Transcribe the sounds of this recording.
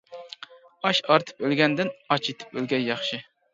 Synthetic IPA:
ɑʃɑɾt̪ʰɨ̥pølɡʲɛnd̪ɪnɑt͡ʃʰet̪ʰɪ̥p̚ølɡʲɛjjɑχʃɪ

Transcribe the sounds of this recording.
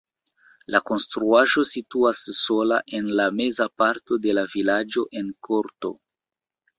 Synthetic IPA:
lako̞nstɾuaʒo̞situasːo̞la̰ʔe̞nlame̞zapaɾto̞de̞lavilad͡ʒo̞ʔe̞nkʰo̞ɾto̞̰

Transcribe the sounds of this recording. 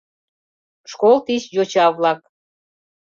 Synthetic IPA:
ʃkolˠt̪isjot͡ɕɑβlɑk̚

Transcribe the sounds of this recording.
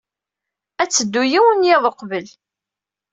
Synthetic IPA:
æt͡sːəd̪ːujiwənjeðˤqbəl

